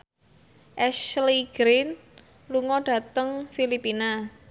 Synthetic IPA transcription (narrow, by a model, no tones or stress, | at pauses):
ʔɛsliɡ̥ɾɪn | luŋɔɖ̥ä̤t̪əŋfilipina